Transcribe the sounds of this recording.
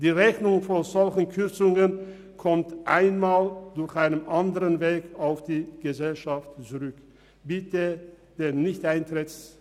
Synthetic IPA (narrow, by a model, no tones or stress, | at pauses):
d̥iːʁɛçnʊŋfozɔlçən̩kʰʏɐt͡sʊŋən | kʰɔmtʔa̰ɪnmaːld̥ʊɐçʔaɪnəmʔandəʁənveːkaʊfd̥iːɡ̥əzɛlʃaftt͡suʁʏk | b̥ɪtʰə | d̥eːnɪçtʔaɪntʁ̥ɪt͡s